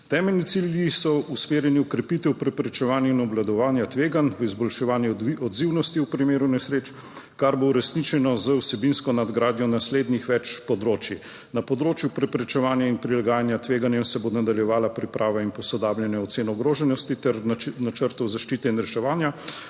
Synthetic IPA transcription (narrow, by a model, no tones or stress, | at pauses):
t̪ɛːmɛlnit̪siljisɔusmeːɾjɛniɔkɾɛpit̪ɛwpɾɛpɾɛt͡ʃɛʋaːnjɛinɔblad̪ɔʋaːnjat̪ʋeːɡanʋəizbɔlʃɛʋaːnjɛɔd̪ziwnɔst̪iupɾimeːɾunɛsɾeːt͡ʃ | kaɾbouɾɛsnit͡ʃɛnɔzəwsɛbinskɔnad̪ɡɾaːd̪jɔnasleːd̪nixʋɛt͡ʃpɔd̪ɾoːt͡ʃji | napɔd̪ɾoːt͡ʃjupɾɛpɾɛt͡ʃɛʋaːnjainpɾilaɡaːjanjat̪ʋeːɡanjɛmsɛbonad̪aljɛʋaːlapɾipɾʔaːʋainpɔsɔd̪aːbljɛnɛɔt̪seːnɔɡɾoːʒɛnɔst̪it̪ɛɾnat͡ʃəɾt̪ɔwzaʃt͡ʃiːt̪ɛinɾɛʃɛʋaːnja